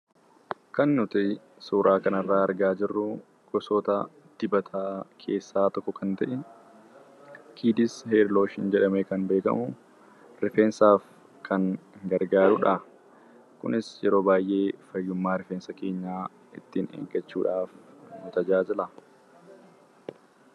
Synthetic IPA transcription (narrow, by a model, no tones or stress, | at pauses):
kɐnːʊt̪ɪ | suːɾʔaːkɐnɐrːaːɐɾɡaːd͡ʒɪrːʊ | kɔsoːt̪ɐ | d̪̥ɪbɐt̪ʰaːkʰe̞ːsːaːt̪ɔkːɔkɐnt̪ɐ̰ʔɛ | kʰiːd̪ɪsheːɾlo̞ːʃɪnd͡ʒɛᶑɐmɛkɐnbe̞ːkɐ̰mʊ | ɾɪfeːnsaːf | kʰɐŋɡɐɾɡaːɾʊᶑɐ | kʊ̰nɪsjɛɾo̞ːbaːjʔe̞ːfɐjːʊmːaːɾɪfeːnsɐke̞ːɲːaː | ɪt̪ːiːnḛːɡɐt͡ʃːṵːᶑaːfnʊt̪ɐd͡ʒaːd͡ʒɪlɐ